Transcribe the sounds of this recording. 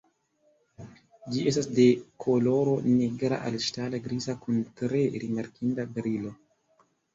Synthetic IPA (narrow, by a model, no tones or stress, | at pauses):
d͡ʒie̞stasde̞kʰolo̞ɾoneɡɾa̰ʔa̰lʃtalaɡɾizakuntɾe̞ɾimaɾkindabɾilo̞